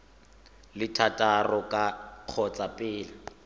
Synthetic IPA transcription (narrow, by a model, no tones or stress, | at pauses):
lɪtʰatʼarɔkʼaq͡χʰɔt͡sʼapʼɪːla